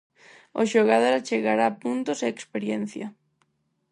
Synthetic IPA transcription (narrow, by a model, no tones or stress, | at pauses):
oʃoɣaðoɾat͡ʃeɣaɾapunt̪oseekspeɾjen̟θjɐ